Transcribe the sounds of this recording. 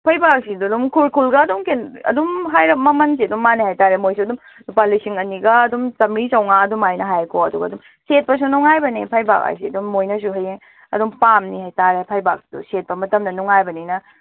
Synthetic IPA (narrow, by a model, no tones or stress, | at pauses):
pʰɐjbak̚sidudumkʰulkʰulɡɐːdumkenɐ̰dumɦajɾɐp̚mɐmɐnsiɐdumːanihajtaɾemojsuɐdum | nupalːisiŋɐniɡɐːdumsɐmisɐwŋaɐdumajnɐɦajkʰoɐduɡɐːdum | set̚pɐs̬unuŋajbɐnipʰajba̰k̚a̰jsiɐdumːojnɐs̬uɦɐjeŋ | ɐ̰dumpamnihajtaɾepʰajbak̚si̥dṵset̚pɐmɐtɐmdɐnuŋajbɐninɐ